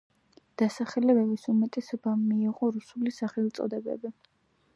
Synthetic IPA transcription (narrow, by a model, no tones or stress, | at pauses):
d̪̥asaχɛlɛbɛbisumɛt̪ʼɛsɔbamiːʁɔɾusulisaχɛlt̪sʼɔ̰d̪ɛbɛ̰bi